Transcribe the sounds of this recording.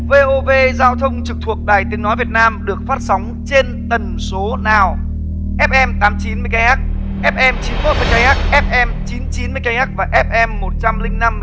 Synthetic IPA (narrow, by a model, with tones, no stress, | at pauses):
ve˧ʔo˧ve˧zaː˧wt̪ʰə˧wŋ͡mt͡ɕɨ˨˩k̚t̪ʰu˨˩ək̚ɗaː˨˩jt̪ï˨˦ŋnɔ˨˦jvət̚naː˧mɗɨ˨˩ək̚faː˦˥t̚sa˨˦wŋ͡m | t͡ɕe˧nt̪ə˨˩nso˨˦naː˨˩w | ʔɛ˦˥p̚ʔɛ˧mt̪aː˨˦mt͡ɕi˨˦nmɨ˧jkaː˧jhaː˦˥k̚ | ʔɛ˦˥p̚ʔɛ˧mt͡ɕi˨˦nmo˦˥t̚mɨː˧˩jka˧jhaː˦˥k̚ʔɛ˦˥p̚ʔɛ˧mt͡ɕi˨˦nt͡ɕi˨˦nmɨ˧əjka˧jhaː˦˥k̚vaː˨˩ʔɛ˦˥p̚ʔɛ˧mːo˨˩t̚t͡ɕa˧mlï˧ŋ̟na˧m